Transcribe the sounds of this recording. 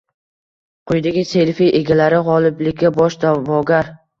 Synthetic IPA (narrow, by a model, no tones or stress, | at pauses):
qʰʊjd̪aɡʲɪse̞lfiʔe̞ɡʲalaɾɪʁɒlˠɪblɪkʲːabɒʃd̪avɒɡʲaɾ